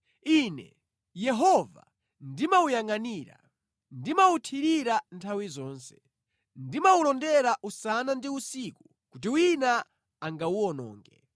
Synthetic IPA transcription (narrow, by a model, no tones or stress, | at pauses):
iːnɛ̰ | jɛɦɔva̰ | ndimaujaŋaniːɾa̰ | ndimautʰiɾiɾantʰawizɔːnsɛ̥ | ndimaulɔndɛɾaʔusanandiusiːku | kut̬iwina | aŋɡauɔnɔ̰ːŋɡɛ̰